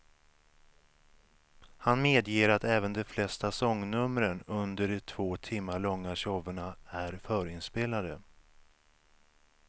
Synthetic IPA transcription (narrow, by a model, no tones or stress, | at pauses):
hanmeːd̪jeːɾat̪ɛːvənd̪ɛflɛst̪asɔŋːnɵmɾənɵnd̪əɖɛt̪ʰv̥oːt̪ʰɪmːaɭɔŋːaɕɔvəɳaæɾfœːɾɪnspeːlad̪ə